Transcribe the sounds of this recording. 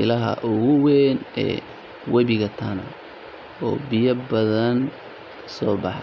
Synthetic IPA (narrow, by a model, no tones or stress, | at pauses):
ɪlɐɦɐ̰ʔʊɣʊwɛnɛ̰ː | wɛβɪɣɐt̪ʰɐnɐ̰ | ɔːbɪjɐbɐðɐn | kʰɐ̥sɔːbɑħ